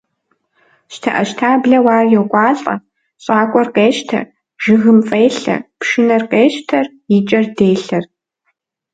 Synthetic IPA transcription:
ɕtʰɐʔɐʃtʰaːbɮɐwaːrjɛwkʷʼɑːɬʼɐ̰ | ɕʼaːkʷʼɔrqeːʃtʰɐ̰ | ʒɨɣɨmfʼeːɬɐ̰pʂɨnɐrqeːɕtʰɐr | jɪt͡ʃʼɐrdeːɬɐr

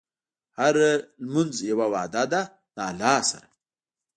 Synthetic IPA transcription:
haɾlmunzjawawɑːd̪ad̪a | d̪aːlːɑːsa̰ɾa

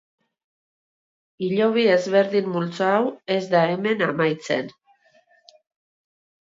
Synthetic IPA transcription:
iʎo̞β̞ie̞zβe̞ɾðimːult͡saawe̞zd̪ae̞me̞namajt͡se̞̰n

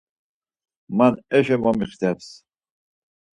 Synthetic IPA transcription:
manɛʃɛmamiχt̪ʰɛps

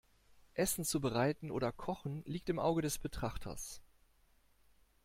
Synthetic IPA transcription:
ʔɛsn̩t͡subəʁaɪtn̩ʔo̰ːdɐkʰɔχn̩liːk̚tɪmʔa̰ʊɡədɛsb̥ətʁ̥aχtʰɐ̰s

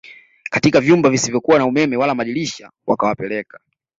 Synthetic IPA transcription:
katikavjumbavisivjɔkuwanaumɛmɛwalamaɗiliʃa | wa̰kawapɛlɛkḁ

